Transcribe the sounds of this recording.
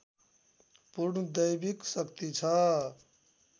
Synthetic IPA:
puɾnəd̪əjbiksəkt̪it͡ʃʰə

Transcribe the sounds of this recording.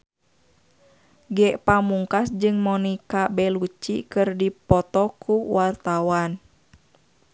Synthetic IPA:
ɡɛʔpamuŋkasd͡ʒɨŋmɔnikabɛlut͡ʃḭkɨrdipɔt̪ɔkʰuwart̪awan

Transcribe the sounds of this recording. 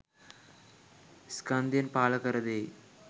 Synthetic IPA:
skaːnd̪ijɐnpaːlɐkɐɾɐd̪eː

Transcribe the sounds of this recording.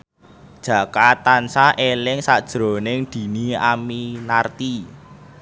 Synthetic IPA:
d̥ʒ̥ä̤kat̪ansaʔelɪŋsad̥ʒ̥ɾo̤nɪŋd̪̥i̤niaminart̪i

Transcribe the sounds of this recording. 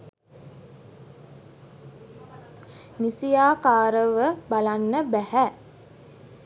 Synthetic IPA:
nisijaːkaːɾəʋəbalanːəbæhæ

